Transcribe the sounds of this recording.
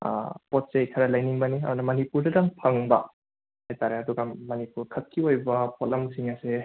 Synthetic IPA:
pot̚sejkʰɐɾɐlɐjniŋbɐniɐ̰dunɐmɐnipuɾdɐdɐŋpʰɐŋbɐ | hajtaɾeɐduɡɐmɐnipuɾkʰɐt̚kʰiojbɐpʰolɐmsiŋɐse

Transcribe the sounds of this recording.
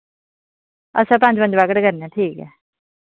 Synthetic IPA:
ə̰sãːpãɲd͡ʒbəɲd͡ʒʋaɡəʈkəɾnɛ̃ːʈʰiːkɛː

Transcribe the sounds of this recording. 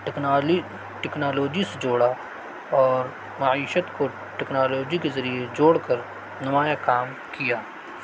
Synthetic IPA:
ʈɛknaːloːd͡ʒised͡ʒoːɽa | ɔːɾ | mɐiːʃət̪ko | ʈɛknaːloːd͡ʒikezɐɾied͡ʒoːɽkəɾ | nɐmaːjakaːm | kijaː

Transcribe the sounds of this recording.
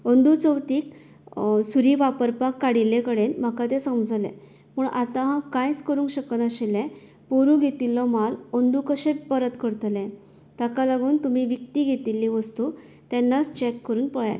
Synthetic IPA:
ənd̪ut͡səwt̪iːk | suɾiːʋapəɾpakːaɽilekəɽenm̤akat̪̬esəmd͡zlḛ̃ | pəɳʔat̪ãɦãkãjt͡skəɾũŋkɕəkənəɕilɛ̃ | poɾũɡʱet̪ilːɔmalənd̪ukəɕẽpəɾət̪kəɾt̪lɛ̃ | t̪akalaɡuːnt̪umiʋikt̪iːɡʱet̪ilːiʋəst̪u | t̪ɛnːat͡st͡ɕɛkːəɾuːnpəɭja̰t̪

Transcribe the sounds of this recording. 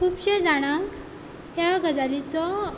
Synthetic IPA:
kʰuːpɕed͡zaɽ̃ãk | ɦjaɡəd͡zalit͡sɔ

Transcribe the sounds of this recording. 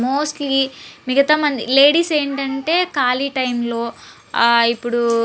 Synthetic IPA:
moːsʈlimiɡɐt̪ɐmɐnd̪ile̞ːɽiːseːɳʈɐɳʈe̞ːkaːliʈɐjmlo̞ː | ipːuɽu

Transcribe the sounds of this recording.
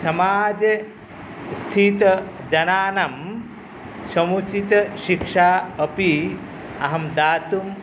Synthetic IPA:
sɐmaːd͡ʒɐ | st̪ʰit̪ɐ | d͡ʒɐnaːnɐm | sɐmut͡ʃit̪ɐʃikʂaːɐpi | ɐɦɐmd̪aːt̪um

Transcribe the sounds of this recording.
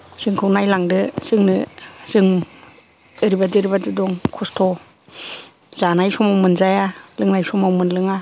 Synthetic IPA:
z̥ɯŋkʰɯwnajlaŋdɯz̥ɯŋnɯz̥ɯŋ | ɯɾibadiɾibadɯdɔŋkʰɔstʰɔ | z̥anajsɔmawmɯnzajalɯŋnajsɔmawmɯnlɯŋa

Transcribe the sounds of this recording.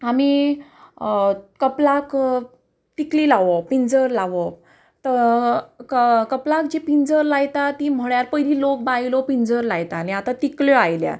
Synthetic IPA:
ami | kəplak | t̪ikliːlaʋɔpind͡zəɾlaʋɔ | t̪ə | kkəplak̚d͡ʑepind͡zəɾlajt̪at̪iːm̤əɭjaɾpəjɾiːlok̚bailɔpind͡zəɾlajt̪aniat̪at̪ikljɔajlja̰

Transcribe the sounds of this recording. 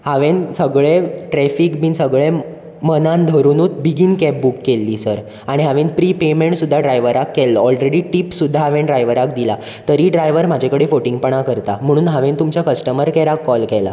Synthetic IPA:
haʋensəɡɭeʈɾɛfikmiːnsəɡɭe | mənãnd̪ʱəɾuːnuːt̪̚biɡinkɛp̚bukːelːiːsəɾ | aɽ̃iɦaʋenpɾiːpemeɳʈsud̪ʱːaɖɾajʋəɾakːɛlːɔɔlɾeɽiːʈiːpsud̪ʱːaɦaʋẽnɖɾajʋəɾak̚d̪ila | t̪əɾiːɖɾajʋəɾm̤ad͡ʑʱekəɽefoʈiŋɡpəɳakəɾt̪am̤əɽ̃uːnɦaʋẽnt̪umt͡ɕjakəsʈəməɾkɛɾakːɔlkɛla̰

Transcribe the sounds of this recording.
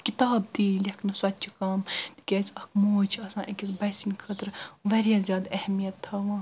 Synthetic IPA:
kit̪aːb̚t̪iːlʲekʰnɨsɐt̪̚ʲt͡ʃʰikaːmt̪i̥kʲeːt͡sʲɐkmoːt͡ʃʰɐsãːʔekʲisbɐjsinkʰɐt̪ɾʋɐɾjaːzʲjaːd̪ɛhɛmijɐt̪ʰːɐʋãː

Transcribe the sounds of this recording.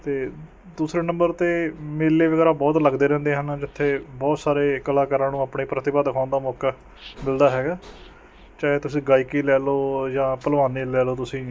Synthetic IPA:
t̪eː | d̪uːsɾeːnə̃mbəɾt̪eːmeːlːeːʋəɡɛːɾaːbɔːt̪ləɡd̪eːɾɛ̃ːnd̪eːɦənd͡ʒɪt̪ʰːeːbɔːt̪saːɾeːkəlaːkəɾãːnũːaːpɳeːpɾət̪ɪbaːd̪əkʰãːnd̪aːmɔːkaː | mɪld̪aːɦɛːɡaː | t͡ʃaːɦeːt̪ʊsĩːɡaːiːkiːlɛːloːd͡ʒãːpəlʋaːniːlɛːloːt̪̬ʊsĩː

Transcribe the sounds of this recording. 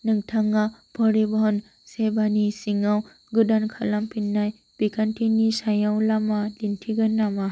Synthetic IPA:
nɯŋtʰaŋabʰʱɔɾebɔɦɔn | sebanisiŋaw | ɡɯdankʰalampinːaj | b̥ikʰantʰinisajawlamalintʰiɡɯnːama

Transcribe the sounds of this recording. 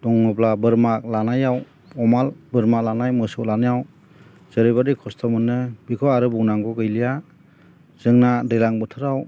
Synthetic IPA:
dɔŋnɯplabɯɾmak̚lanajaw | ɔmalbɯɾmalanajmɯsɔwlanɯjaw | z̥ɯɾɯbadikʰɔstʰɔmɯnːɯbikʰɔaɾɯbɔŋnaŋɡɔɡɯjlija | z̥ɯŋnadelaŋbɯtʰɯɾaw

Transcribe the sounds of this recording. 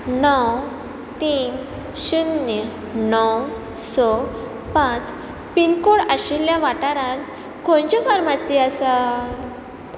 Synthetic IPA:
nɔw | t̪iːn | ɕud̪ə | nɔw | sɔ | pãt͡s | pinkoɽaɕiljãʋaʈaɾãt̪ | kõnt͡ɕɔfaɾmasiasa

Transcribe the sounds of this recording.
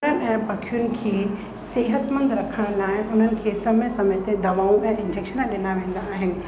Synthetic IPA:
ənɛ̃ːbɐkʰijʊnɪ̆kʰeː | seːɦət̪mə̃nd̪ɾɐkʰəɽ̃laːɪʔʊn̤ənɪ̆kʰeːsɐmẽsɐmet̪ed̪ɐʋaːũẽʔɪ̃nd͡ʑekʃənɗɪnaʋẽːn̆d̪aːɦɪnɪ̆

